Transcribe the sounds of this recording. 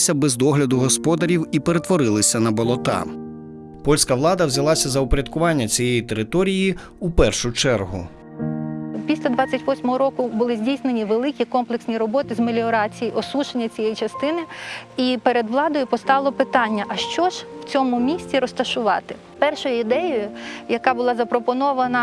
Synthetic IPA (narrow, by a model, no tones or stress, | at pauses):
sʲɐbɛzd̪ɔɦlʲɐd̪ʊɦɔspɔd̪ɐɾʲiwipeɾe̞t̪ʋɔɾɪlˠɪsʲɐnɐbɔlˠɔt̪ɑ̰ | pɔlʲsʲkɐʋlˠɑd̪ɐwzʲɐlˠɑsʲɐzɐɔpɾʲɐd̪̚kʊʋɑnʲːɐt͡sʲijejit̪eɾɪt̪ɔɾʲiji | upɛrʃʊt͡ʃɛrɦʊ̰ | pʲisʲlʲɐd̪ʋɑt͡sʲːɐtʲʋɔsʲmɔɦɔɾɔkʊbʊlˠɪzʲdʲijsnenʲiʋelˠɪkʲikɔmplˠeksʲnʲiɾɔbɔt̪ɪzmelʲiɔɾɑt͡sʲijiʔɔsuʃenʲːɐt͡sʲijɛjit͡ʃɐst̪ɪnɪipeɾed̪ʋlˠɑd̪ɔjʊpɔst̪ɑʋlˠɔpɪt̪ɑnʲːɐʔɐʃt͡ʃɔʒ̥w̥t͡sʲɔmʊmʲisʲt͡sʲiɾɔst̪ɐʃʊʋɑt̪ɪ | pɛrʃɔjʊɪd̪ɛjɔjʊjɐkɑbʊlˠɑzɐpɾɔpɔnɔʋɐnɐ